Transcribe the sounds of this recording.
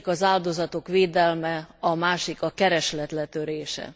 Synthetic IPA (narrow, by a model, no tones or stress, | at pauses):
kɒzaːld̪o̞zɒt̪o̞kʋeːd̪ɛlmɛɒmaːʃikɒkɛɾɛʃlɛt̪lɛt̪øɾeːʃɛ̰